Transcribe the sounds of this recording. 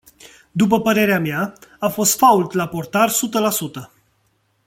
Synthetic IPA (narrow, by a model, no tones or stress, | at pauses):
d̪up̬əpəɾe̞ɾeamjaafo̞st̪fault̪lapo̞rt̪arsut̪əlasut̪ə